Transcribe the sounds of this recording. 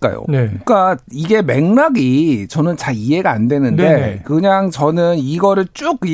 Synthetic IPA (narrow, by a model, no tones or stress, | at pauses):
k͈a̰jo̰nek͈aiɡe̞me̞ŋmaɡit͡ɕʌnɯnt͡ɕaie̞ɡaːndwe̞nɯnde̞kɯɲaŋt͡ɕʌnɯniɡʌɾɯɭt͡ɕ͈uki